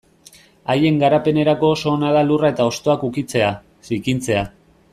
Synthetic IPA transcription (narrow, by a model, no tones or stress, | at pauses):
aje̞ŋɡaɾape̞ne̞ɾako̞ːso̞ːnað̞alurae̞t̪ao̞st̪o̞akukit͡se̞a | sikint͡se̞a